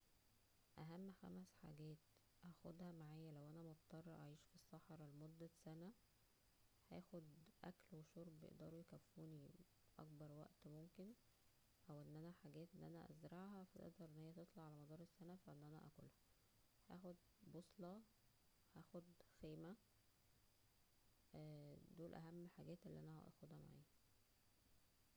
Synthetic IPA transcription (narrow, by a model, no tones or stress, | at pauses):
ʔæɦæmːxæ̰mæsħa̰ɡæːt̪̚ | hæxod̪hæmaʕaːjːælæwʔænæmɑt̪t̪ˤːɑrˤːɑʔaʕiːʃfisːɑħɑɾˤɑlmod̪ːæsænæ | hæːxod̪ʔæ̰klweʃoɾˤbjḛʔd̪ɑ̰ːɾˤujekæfːuːni | ʔɑ̰k̚bɑɾˤwæ̰ʔt̪momken | ʔæwʔenːʔænæħaɡæːt̪ʔenːʔænæʔæ̰zɾɑʕɦæfæt̪ḛʔd̪ɑɾˤʔenːhejæt̪et̪ˤlɑʕalæmɑd̪ˤɑːɾˤesːænæfæʔenːʔænæ̰ʔæ̰ko̰lhæ | hæ̰ːxod̪ | bosˤlɑ | hæːxod̪xeːmæ | d̪oːlʔæɦæmːħaɡæːt̪ʔelːiːʔænæhæ̰ʔɑ̰xod̪hæma̰ʕḭːhæ